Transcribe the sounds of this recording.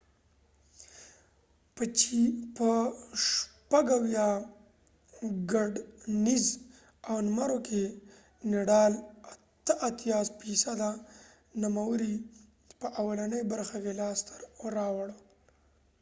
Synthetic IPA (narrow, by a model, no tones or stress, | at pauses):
pət͡ʃipəʂpaɡawjɑ | ɡaɖniz | awnmaɾokʰe | neɖɑlat̪əʔat̪jɑspisad̪a | numawəɾi | pəʔawalanəjbaɾxakelɑst̪aɾɾɑwɽə